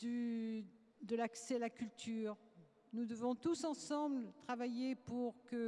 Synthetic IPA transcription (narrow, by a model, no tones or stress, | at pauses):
d̪y | d̪əlaksɛalakʲylt̪yːʁ | nud̪əvɔ̃t̪usɑ̃sɑ̃blt̪χavajepuʁkə